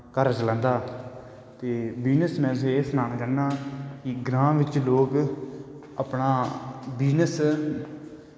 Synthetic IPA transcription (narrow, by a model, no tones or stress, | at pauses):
kəɾt͡ʃələ̃ːnd̪aː | t̪eːbiːnəsmɛ̃ːzoeːsənaːnaːd͡ʒaːnːaːkɪɡɾãːʋɪt͡ʃloːk | əpnaːbiːnəs